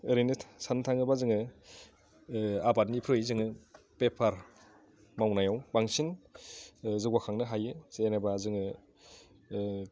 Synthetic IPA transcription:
ɯɾinɯsantʰaŋɯbazɯŋɯ | abat̚nipʰɾɯjzɯŋɯ | pepʰaɾ | mawnajawbaŋsin | zɯɡwakʰaŋnɯɦajɯzeenabazɯŋɯ

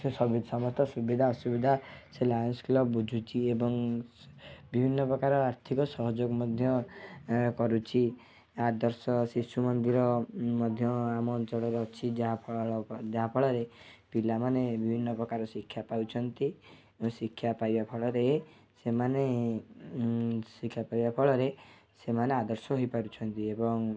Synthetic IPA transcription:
sesɔbid̪sɔmɔst̪ɔsubid̪ʱaɔsubid̪ʱaselajɔnskulɔbbud͡ʒʱut͡ʃʰiebɔŋ | bibʱinːɔpɾɔkaɾɔaɾt̪ʰikɔsɔɦɔd͡ʒoɡɔmɔd̪ʱjɔ | kɔɾut͡ʃʰi | ad̪ɔɾsɔsisumɔnd̪iɾɔmɔd̪ʱjɔamɔt͡ʃɔɽɔɾɔt͡ʃʰid͡ʒapʰd͡ʒaɦapʰɔɭɔɾepilamanebibʱinːɔpɾɔkaɾɔsikʰːjapawt͡ʃʰɔnt̪i | sikʰːjapajbapʰɔɭɔɾe | semane | sikʰjapaibapʰɔɭɔɾe | semanead̪ɔɾsɔɦojpaɾut͡ʃʰɔnt̪iebɔŋ

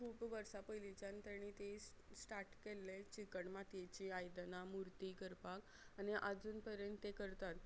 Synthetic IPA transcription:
kʰuːpʋəɾsapəjlit͡ɕant̪əɽ̃it̪e | sʈaɾʈkelːet͡ɕikəɳmat̪jet͡ɕiajd̪namuɾt̪ikəɾpak | aniʔad͡zuːnpəɾjənt̪t̪ekəɾt̪at̪

